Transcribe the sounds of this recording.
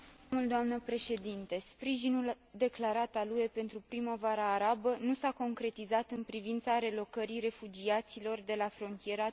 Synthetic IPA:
muld̪oamnəpɾe̞ʃe̞d̪int̪e̞spɾiʒinul | d̪e̞klaɾat̪aluje̞pe̞nt̪ɾupɾiməvaɾəːɾabənusako̞ŋkɾe̞t̪izat̪ɨnpɾivint̪saɾe̞lo̞kəɾire̞fud͡ʒiat̪silo̞rd̪e̞lafɾo̞nt̪ije̞ɾa

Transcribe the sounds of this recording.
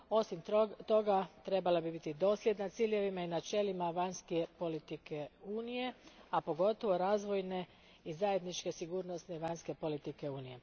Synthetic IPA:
o̞simt̪o̞ɡat̪ɾe̞balabibit̪id̪o̞ːslʲjed̪nat̪siːʎʲje̞ʋimainat͡ʃe̞limaʋaɲskepo̞lit̪ikeuːnije̞apo̞ɡo̞t̪o̞ʋo̞ɾaːzʋo̞jne̞ | izaje̞d̪nit͡ʃke̞siɡuːɾno̞sneiʋaɲske̞po̞lit̪ike̞uːnije̞

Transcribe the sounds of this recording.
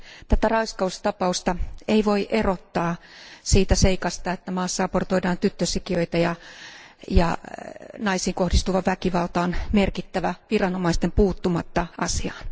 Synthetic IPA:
t̪æt̪ærɑiskɑust̪ɑpɑust̪ɑʔeiʋoiʔerot̪ːɑːsiːt̪æseikɑst̪ɑet̪ːæmɑːsːɑɑport̪oidɑːnt̪yt̪ːøsikiøit̪ɑjɑ | jɑ̰nɑisiːŋkohdist̪uʋɑʋʋækiʋɑlt̪ɑonmerkit̪ːæʋæʋirɑnomɑist̪empuːt̪ːumɑt̪ːɑʔɑsiɑːn

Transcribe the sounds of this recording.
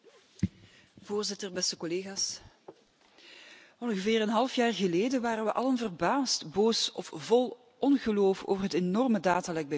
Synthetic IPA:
v̥oːrzɪtərbɛstəkɔleːɣaːs | ɔnɣəvɪːrənɦɑlˠəfjaːrɣəleːdənʋaːɾənʋəʔɑlənvərbaːstboːsɔfvɔlˠ | ɔnɣəloːfo̰ːvərɦətenɔrmədaːtalɛɡ̚bə

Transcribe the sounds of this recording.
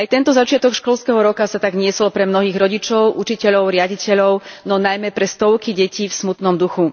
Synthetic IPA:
ajt̪ɛnt̪ɔzat͡ʃɪat̪ɔkʃkɔlskɛɦɔɾɔkasat̪aɡɲɪɛsɔlpɾɛmnɔɦiːɣɾɔɟit͡ʃɔʊʔut͡ʃicɛʎɔʊɾɪaɟicɛʎɔʊnɔnajmɛpɾɛst̪ɔʊkiɟɛciːfsmut̪nɔmd̪uxu

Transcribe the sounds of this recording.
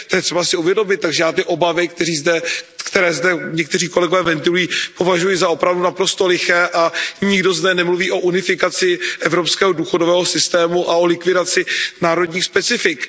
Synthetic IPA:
t̪ojɛt̪r̥ɛbasɪuvjɛdo̞mɪt̪̚t̪ːaɡʒɛjaːt̪ɪʔo̞bavɪkt̪ɛriːzdɛkt̪ɛɾɛːzdɛɲɛk̚t̪ɛr̝iːko̞lɛɡo̞vɛːvɛnt̪ɪlujiːpo̞vaʒujɪzao̞pɾavdunapɾost̪o̞lɪxɛːʔaɲɪɡdo̞zdɛnɛmluviːʔo̞ʔunɪfɪkat͡sɪʔɛvɾopskɛːɦoduːxodovɛːɦo̞sɪst̪ɛːmuʔao̞lɪkvɪdat͡sɪnaːɾo̞dɲiːxspɛt͡sɪfɪk

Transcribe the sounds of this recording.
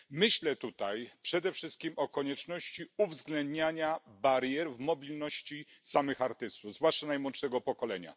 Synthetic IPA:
mɘɕlɛt̪ut̪ajpʂɛd̪ɛfʂɘst̪̚kʲimɔkɔɲɛt͡ʂnɔɕt͡ɕiuvzɡlɛnd̪ɲaɲabaɾjɛɾvmɔbʲilnɔɕt͡ɕisamɘxaɾt̪ɘst̪uvzvwaʂt͡ʂanajmwɔnt̪ʂɛɡɔpɔkɔlɛ̰ɲa̰

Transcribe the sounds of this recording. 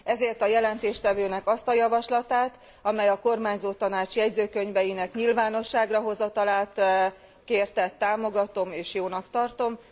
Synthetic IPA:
ɛzeːrt̪ɒjɛlɛnt̪eːʃt̪ɛvøːnɛkɒst̪ɒjɒvɒʃlɒt̪aːt̪ | ɒmɛjɒko̞rmaːɲzoːt̪ɒnaːt͡ʃjɛɟzøːkø̞ɲvɛjinɛkɲilvaːno̞ʃːaːɡrɒɦo̞zɒt̪ɒlaːt̪ | keːrt̪ɛt̪ːaːmo̞ɡɒt̪o̞meːʃjoːnɒkt̪ɒrt̪o̞m

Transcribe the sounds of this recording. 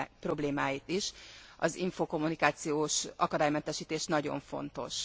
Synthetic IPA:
pro̞bleːmaːjit̪iʃɒ̰ziɱfoːko̞mːunikaːt̪sijoːʃʔɒkɒd̪aːjmɛnt̪ɛʃiːt̪eːʃnɒɟo̞̰ɱfo̞̰nt̪o̞̰ʃ

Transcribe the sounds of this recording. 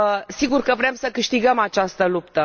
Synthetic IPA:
siɡurkəvɾemsəkɨʃt̪iɡəmat͡ʃast̪əlup̚t̪ə

